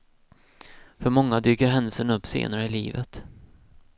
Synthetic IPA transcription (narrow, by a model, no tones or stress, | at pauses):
fœɾmɔŋːad̪yːkəɾɦɛnd̪əlsənɵpːsḛːnaɾəɪlḭːvə̰t̪